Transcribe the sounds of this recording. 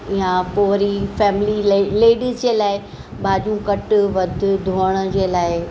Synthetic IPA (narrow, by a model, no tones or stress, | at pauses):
ijãpoːɾifɛːmɪlileːɖiːzd͡ʑeːlaːɪ | bʱaːd͡ʑũkɐʈʋɐd̪ʱʊd̪ʱoːəɽ̃əd͡ʑeːlaːɪ